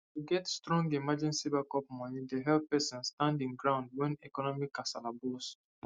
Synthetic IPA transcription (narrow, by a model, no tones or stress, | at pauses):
tuɡɛtstɹɔ̃ŋɡimad͡ʒɛ̃nsibakɔp̚mɔnĩdeɦɛlpɛsɔ̃nstãndĩnɡɹãʊ̃nd̚wɛ̃nɛkɔnɔmikːasalabɔs